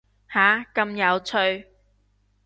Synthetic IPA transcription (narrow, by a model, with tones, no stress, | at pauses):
haː˨˥kɐ˧mjɐ˨˧wt͡sʰɵ˧ɥ